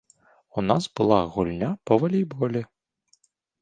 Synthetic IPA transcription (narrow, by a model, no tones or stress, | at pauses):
unasbɨlˠaɣulʲnʲapɐvɐlʲijbɔlʲi